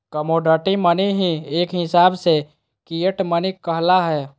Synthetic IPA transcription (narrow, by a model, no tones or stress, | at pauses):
kəmoɖəʈiməniɦieːkɦɪsaːbse | kijəʈmənikkːəɦlaɦɛː